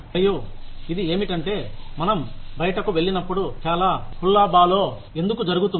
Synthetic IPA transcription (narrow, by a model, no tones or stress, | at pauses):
ɐjuid̪ie̞ːmiʈɐɳʈe̞ːmɐnɐmbɐjɐʈɐkuʋe̞ɭːinɐpːuɽut͡ʃaːlaːpʰulːaːbaːlo̞ː | e̞nd̪ukud͡ʒɐɾuɡut̪̬un